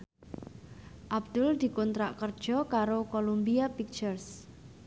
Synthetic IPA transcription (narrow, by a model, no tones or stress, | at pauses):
ʔabd̪̥ʊld̪̥i̤kɔnt̪ɾaʔkərd̥ʒ̥ɔ̤kaɾokolumbiapik̚t͡ʃərs